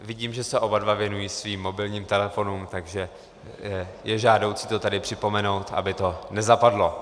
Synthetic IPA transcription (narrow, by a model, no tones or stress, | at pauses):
vɪɟiːmʒɛsɛʔo̞badvavjɛnujiːsviːmːo̞bɪlɲiːmt̪ɛlɛfo̞numt̪aɡʒɛ | jɛʒaːdo̞wt͡sɪ̥t̪o̞t̪adɪpr̝̥ɪpo̞mɛno̞wt̪ʔa̰bɪt̪o̞nɛzapadlo̞